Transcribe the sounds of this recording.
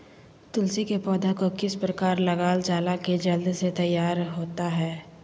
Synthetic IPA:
t̪ʊlsikepɔːd̪akokɪspɾɐkaːɾlɐɡaːld͡ʒaːlaked͡ʒɐld̪set̪ɐjːaːɾɦoːt̪aɦɛː

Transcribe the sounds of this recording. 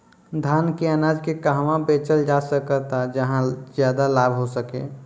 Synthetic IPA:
d̪ʱaːnkeənaːd͡ʒkekaɦʋãbeːt͡ʃəld͡ʒaːsəkət̪ad͡ʒəɦãzjaːd̪alaːbʱɦosəkḛː

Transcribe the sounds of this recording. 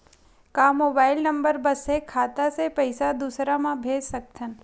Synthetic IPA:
kamobailnəmbəɾbəsekʰat̪asepəjsad̪usɾamãbʱed͡ʒsək̚t̪ʰən

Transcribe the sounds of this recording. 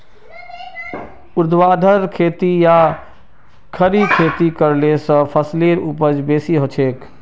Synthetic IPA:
uɾd̪ʱwad̪ʱəɾkʰet̪ija | kʰəɾikʰet̪ikəɾlesə̃pʰəsleɾupəd͡ʒbesiɦot͡ʃʰek

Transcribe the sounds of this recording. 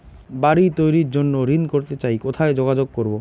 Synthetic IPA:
baɾit̪ojɾiɾd͡ʑonːoɾinkoɾt̪et͡ɕajkot̪ʰaed͡ʑoɡad͡ʑoɡ̚koɾbo

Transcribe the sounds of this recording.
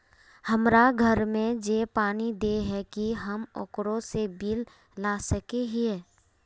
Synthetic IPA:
həmɾaɡʱəɾmẽd͡ʒeːpaːnid̪eɦɛkiɦəmo̰kɾõsebiːlː | aːsəkeɦiɛː

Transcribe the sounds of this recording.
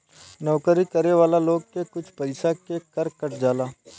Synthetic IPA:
nɔːkɾiːkəɾeːʋaːlaːloːɡ̚kekʊt͡ʃʰpəɪsaːkekəɾkəʈd͡ʒaːlaː

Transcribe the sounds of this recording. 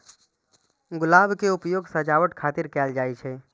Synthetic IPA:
ɡʊlabʱkeupjoɡsəd͡ʒaʋəʈkʰat̪iɾkɛld͡ʒajt͡ʃʰɛ

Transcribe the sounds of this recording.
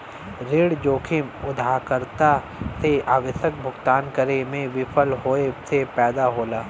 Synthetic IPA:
ɾeːɽd͡ʒoːkʰɪmʊd̪ʱaːkəɾt̪a | seʔaːʋəʃək̚bʱʊɡt̪aːnkəɾemẽʋɪpʰəlɦoːesepɛːd̪aɦoːlaː

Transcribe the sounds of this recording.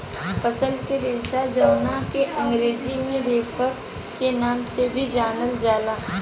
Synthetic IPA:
pəsəlkeɾeːsad͡ʒɐwnakeʔɐ̃ŋɡɾeːd͡ʒimẽɾeːpʰəɾ | kenaːmsebʱid͡ʒaːnəld͡ʒaːlaː

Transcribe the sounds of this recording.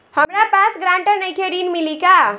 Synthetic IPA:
həmɾapasɡɾãɳʈəɾnəjkʰeɾinmilika

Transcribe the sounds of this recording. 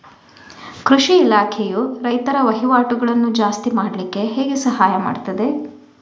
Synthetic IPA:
kɾuʂiːlaːkʰejuɾɐjt̪ɐɾɐʋɐɦiʋaːʈuɡɐɭɐnːud͡ʒaːst̪imaːɽlikːe̞ɦeːɡesɐɦaːjɐma̰ːɖt̪ɐd̪e̞

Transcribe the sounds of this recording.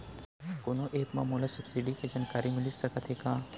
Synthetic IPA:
koːnoʔeːpmã̰moːlasɐbsiɖiked͡ʒaːnkaːɾimɪlisɐkət̪ɦekãː

